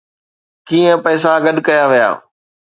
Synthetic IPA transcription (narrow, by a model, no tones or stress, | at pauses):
kiːə̃pɐːɪs̬ãɡɐɗkɐjaʋija̰ː